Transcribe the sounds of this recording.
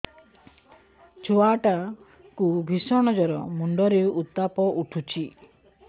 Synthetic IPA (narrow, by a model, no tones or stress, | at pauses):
t͡ʃʰoaʈa | kubʱisɔɽ̃ɔd͡ʒɔɾɔ̰muɳɖɔɾeut̪ːapɔʔuʈʰut͡ʃʰi